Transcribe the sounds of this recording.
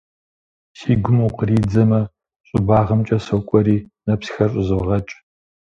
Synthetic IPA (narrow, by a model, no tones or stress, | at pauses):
siːɡʷʊmuwqəriːd͡zɐmɐ | ɕʼʊbaːʁɐmt͡ʃʼɐsɐkʷʼɔɾiːnɐpsxɐrɕʷʼɪzɨʁɐt͡ʃʼ